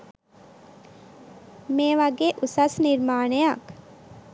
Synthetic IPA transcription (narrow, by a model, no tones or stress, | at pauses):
meːʋaɡeːʔusasniɾmaːɳejak